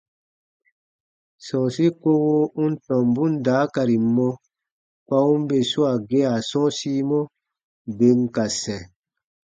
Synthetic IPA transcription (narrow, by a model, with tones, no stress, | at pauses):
sɔ̃˨si˦ko˦wo˦u˦n̩˦tɔ̃˨m˨bũ˦n˦daː˨˦ka˨ɾi˨mɔ̃˧ | kwa˧˦ũ˦m˦be˨su˦a˨ɡe˦a˨sɔ̃˦siː˦mɔ̃˦ | be˨˦ŋ̩˨ka˨sɛ̃˨